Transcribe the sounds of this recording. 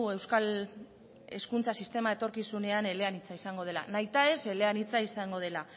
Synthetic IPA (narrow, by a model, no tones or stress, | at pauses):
e̞wskal | e̞skunt͡sasist̪e̞mae̞t̪o̞ɾkisune̞ane̞le̞anit͡saisaŋɡo̞ð̞e̞la̰najt̪ae̞se̞le̞anit͡saisaŋɡo̞ð̞e̞la